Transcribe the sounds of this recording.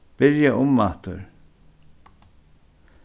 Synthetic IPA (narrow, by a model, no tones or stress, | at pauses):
b̥ɪɾjaʔʊmːaht̪ʊɾ